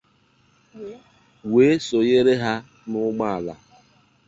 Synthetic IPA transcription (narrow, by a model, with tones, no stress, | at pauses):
we˨˦so˨je˦ɾe˦ɦa˦ | nʊ˦ɡ͡ba˦a˨la̰˨